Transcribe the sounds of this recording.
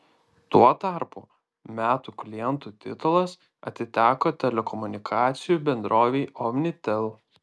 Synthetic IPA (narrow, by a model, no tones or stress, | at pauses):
t̪uɔt̪ɑˑɾpṵ | mʲæːt̪uːklʲɪjɛnt̪uːt̪ʲɪ̰t̪ʊlˠɐs | ɐ̰t̪ʲɪt̪ʲæːkoːt̪ʲɛlʲɛkɔmʊnʲɪkʰɑːt̪sʲɪjuːbʲɛnd̪ɾoːʋʲɛɪɔmʲnʲɪt̪ʲɛlˠ